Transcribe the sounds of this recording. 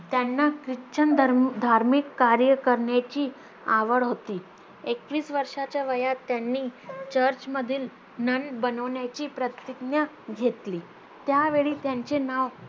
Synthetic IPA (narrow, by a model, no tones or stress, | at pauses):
t̪janːakɾit͡ɕənd̪ʱaɾmikːaɾjəkəɾɳjat͡ɕiː | aʋəɭɦot̪iː | ekʋiːsʋəɾʂat͡ɕjaʋəjat̪ːjanːiːt͡ɕəɾt͡ɕməd̪ʱiːl | nənbənəʋɳjat͡ɕiːpɾət̪iknja | ɡʱet̪liː | t̪jaʋeɭiːt̪jaɲt͡ɕenaʋ